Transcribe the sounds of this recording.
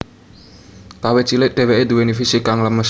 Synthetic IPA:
k̪awet͡ʃilɪt̪̚ɖ̪̥e̤weʔed̪uwenifisikaŋləməs

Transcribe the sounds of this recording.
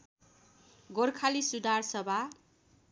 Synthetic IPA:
ɡorkʰalisud̪arsʌbʱa

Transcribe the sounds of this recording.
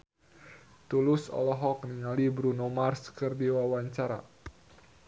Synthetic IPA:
t̪ulʊsɔ̰lɔɦɔk̚niŋalibɾunomarskɨrdiwawaɲt͡ʃaɾa̰

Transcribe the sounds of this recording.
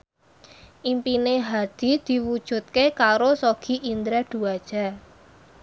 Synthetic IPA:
ʔimpineɦad̪̥i̤d̪̥i̤wud̥ʒ̥ṳt̪̚kekaɾosoɡ̥i̤ʔind̪ɾɛd̪̥ṳad̥ʒ̥a̤

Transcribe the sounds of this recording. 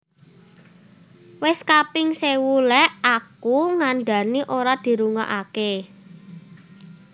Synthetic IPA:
wɪskapɪŋsewulɛakuŋanɖa̤niʔoɾad̪̥i̤ɾuŋa̰ʔake

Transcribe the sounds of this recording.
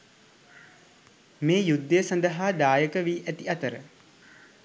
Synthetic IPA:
meːjud̪ːəəsand̪əɦaːd̪aːjəkəʋiːʔæt̪iat̪əɾə̰

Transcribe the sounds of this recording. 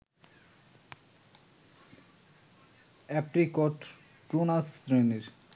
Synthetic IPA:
ɛpɾikɔʈ | pɾonasɾeneɾ

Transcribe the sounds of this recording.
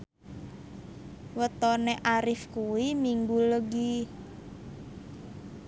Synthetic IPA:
wət̪ɔneʔaɾɪfkuwimiŋɡuləɡi

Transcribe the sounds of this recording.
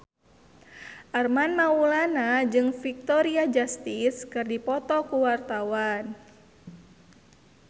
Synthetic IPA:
ʔarmanmaulanad͡ʒɨŋfik̚t̪ɔɾiad͡ʒast̪iskɨrdipɔt̪ɔkuwart̪awan

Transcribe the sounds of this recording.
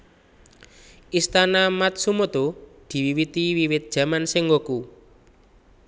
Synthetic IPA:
ʔist̪anamat̪̚sumot̪od̪̥i̤wiwit̪iwiwɪt̪̚d̥ʒ̥ä̤mansɪŋwoku

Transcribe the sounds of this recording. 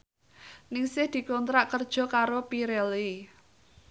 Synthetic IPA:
nɪŋsɪhd̪̥i̤kɔnt̪ɾaʔkərd̥ʒ̥ɔ̤kaɾopiɾeli

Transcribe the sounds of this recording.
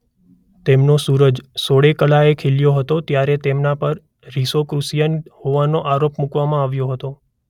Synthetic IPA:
t̪emnosuɾəd͡ʒsoɭekəlaekʰeljoɦət̪ot̪jaɾet̪emnapəɾ | ɾisokɾusijənhoʋanoʔaɾopmukʋamãaʋjoɦət̪o

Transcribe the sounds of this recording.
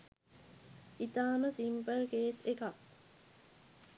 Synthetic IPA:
ʔit̪aːmɐsimpəlkeːseka

